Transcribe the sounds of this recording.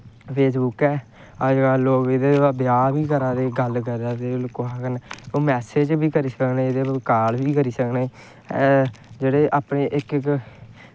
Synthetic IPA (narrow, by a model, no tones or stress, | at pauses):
pʰeːsbʊkɛː | əd͡ʒɡaːloːɡɪd̪eːabɪjaːbiːkəɾãːd̪eːɡəlkəɾaːd̪eːlkoaːkənoːmɛːseːd͡ʒbiːkəɾiːsəknẽːɪd̪eːkaːlbiːkəɾiːsəkneː | d͡ʒeːɽeːʔaːpneːʔɪkk